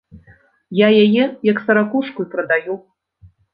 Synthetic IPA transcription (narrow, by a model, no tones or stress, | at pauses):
jajajɛjɐksɐɾakuʂkujpɾɐd̪aju